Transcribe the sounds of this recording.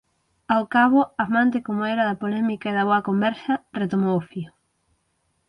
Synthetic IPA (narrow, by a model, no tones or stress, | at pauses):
awkaβʊamãnt̪ɪkomoɛɾɐðɐpolɛmikaeðɐβoɐkombɛɾsɐret̪omowfiʊ